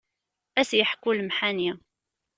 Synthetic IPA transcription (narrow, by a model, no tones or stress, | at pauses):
æsjəħkulmħani